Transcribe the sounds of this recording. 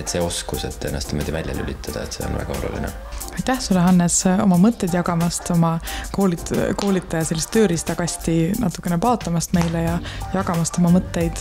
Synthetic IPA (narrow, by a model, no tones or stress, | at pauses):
et̪seo̞skuset̪ːe̞nːɑst̪nimo̞ːd̪̥ʲivælʲjɑ̰ly̰lʲit̪ʰːˑɑd̪̥ɑet̪se̞onvæ̰ɡ̥ɑo̞lṵlḭnɛ̰ | ɑjt̪ːæhsulːeɦɑnːeso̞mɑmɤt̪ːˑe̞jd̪̥jɑɡɑmɑst̪o̞mɑko̞ːliko̞ːlit̪ːˑɑjɑse̞lːist̪ːø̞ːɾist̪ɑɡ̥ɑsʲt̪inɑt̪ːˑu̥kːˑe̞nepɑːot̪ːˑɑmɑst̪me̞jlejɑjɑɡɑmɑst̪o̞mɑmɤt̪ˑːe̞jd̪̥